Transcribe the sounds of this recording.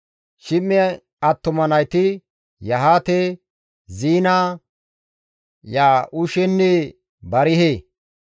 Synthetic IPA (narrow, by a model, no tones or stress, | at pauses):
ʃɪmːɪ | ɐt̪ːʊmɐnɐjt̪ɪ | jɐɦaːt̪e | ziːnaː | jaːʔʊʃɛnːe | bɐɾɪɦeː